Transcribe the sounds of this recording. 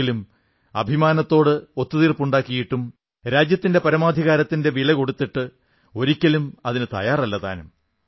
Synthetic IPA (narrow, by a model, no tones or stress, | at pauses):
ilum | ɐ̰bʱimaːnɐt̪ːo̞ːɽɨo̞t̪ːuðiːrpuɳɖaːkːijiʈːum | ɾaːd͡ʑjɐt̪ːinde̞pɐɾɐmaːd̪ʱiɣaːɾɐt̪ːinde̞ʋiɭɐko̞ɽut̪ːiʈːɨ | o̞ɾikʲːɐlumɐðinɨt̪ɐ̰jaːrɐlːɐt̪a̰ːnum